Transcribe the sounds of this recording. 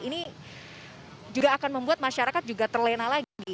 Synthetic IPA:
ini | d͡ʒuɡaːkanməmbuat̪̚maʃaɾakat̪̚d͡ʒuɡat̪ərlenalaɡɡi

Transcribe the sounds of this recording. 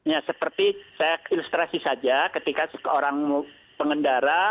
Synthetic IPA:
jasəpərt̪isajailust̪ɾasisad͡ʒakət̪ikasə̥əoɾaŋmu | pəŋəndaɾa

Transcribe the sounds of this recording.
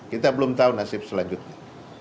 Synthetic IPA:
kit̪abəlʊmt̪aunasɪp̚səlaɲd͡ʒʊt̪̚ɲa

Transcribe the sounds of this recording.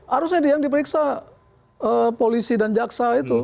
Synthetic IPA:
haɾusɲadjaŋdip̬əɾiksa | əpolisidand͡ʒaksait̪u

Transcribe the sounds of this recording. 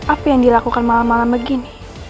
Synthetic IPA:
ʔapajaŋdilakukanmalamːalambəɡini

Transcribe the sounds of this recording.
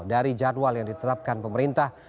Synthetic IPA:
ldaɾid͡ʒadwaljaŋdit̪ət̪ap̚kanpəməɾint̪ah

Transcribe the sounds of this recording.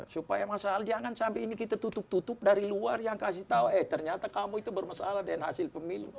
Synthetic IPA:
supajamasalad͡ʒaŋansampɛinikit̪at̪ut̪ʊp̚t̪ut̪ʊp̚daɾiluarjaŋkasɪht̪auɛht̪ərɲat̪akamuit̪ubərmasalahdɛnɦasɪlpəmilṵ

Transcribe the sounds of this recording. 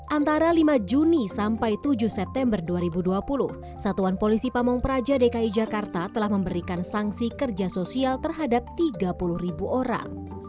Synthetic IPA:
ʔant̪aɾalimad͡ʒunisampajt̪ud͡ʒʊhsɛp̚t̪ɛmbərduaɾibuduapulʊh | sat̪uanpolisipamɔŋpəɾad͡ʒadekaid͡ʒakart̪at̪əlahməmbəɾikansaŋsikərd͡ʒasosialt̪ərɦadap̚t̪iɡapuluhribuʔoɾa̰ŋ

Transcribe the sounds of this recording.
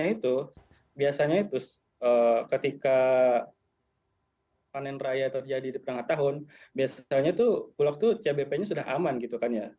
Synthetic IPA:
ait̪u | biasaɲait̪ʊs | əːkət̪ika | panɛnrajat̪ərd͡ʒadidipəɾaŋat̪aɦʊnbiasaɲat̪upulak̚t̪ut͡ʃiabepɛɲasudaɦa̰manɡit̪ukanja

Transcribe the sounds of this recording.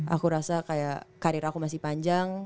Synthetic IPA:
ʔa̰kuɾasakajakaɾiɾakumasɪhpaɲd͡ʒaŋ

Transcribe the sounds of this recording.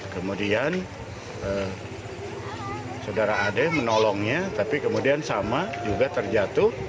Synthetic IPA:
kəmudian | ə | sawdaɾaːdɛmənɔlɔŋɲat̪apikəmudiansamad͡ʒuɡat̪ərd͡ʒat̪ʊ

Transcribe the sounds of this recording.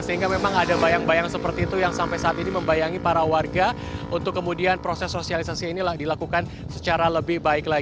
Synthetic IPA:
səɦiŋɡamemaŋadabajaŋbajaŋsəpərt̪iːt̪ujaŋsampajsaːt̪iniməmbajaŋipaɾawarɡa | unt̪ʊkːəmudianpɾosɛsːosialisasiinilahdilakukan | sət͡ʃaɾaləbɪhbaɪkla

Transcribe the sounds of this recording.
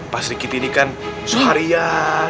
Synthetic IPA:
pasɾikit̪inikansohaɾija

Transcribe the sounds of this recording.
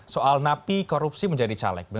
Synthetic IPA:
soʔalnapikoɾupsiməɲd͡ʒadit͡ʃa̰lɛ̰k̚bə

